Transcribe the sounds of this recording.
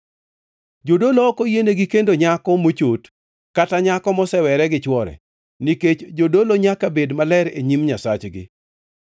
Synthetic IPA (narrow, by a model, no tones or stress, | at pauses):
d͡ʒodolɔːkojeneɡikendoɲakɔmot͡ʃot | kataɲakɔmɔsɛwɛɾɛɡɪt͡ʃwɔɾɛ̰ | niket͡ʃd͡ʒodoloɲakabedmalɛɾeɲimɲasat͡ʃɡɪ̰